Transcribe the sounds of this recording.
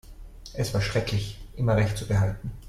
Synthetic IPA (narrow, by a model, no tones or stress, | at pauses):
ʔɛsv̥aːɐʃʁ̥ɛkʰlɪçʔɪmɐʁɛçtt͡subəhaltn̩